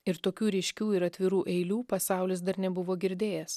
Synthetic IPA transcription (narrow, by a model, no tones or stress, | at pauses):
ɪɾt̪oːkʲuːɾʲɛɪʃʲkʲuːɪɾɐt̪ʲʋʲɪɾuːʔɛɪlʲuːpɐsɑˑʊlʲɪs̬d̪ɐɾnʲɛbʊʋoːɡʲɪɾʲd̪ʲeːjɛs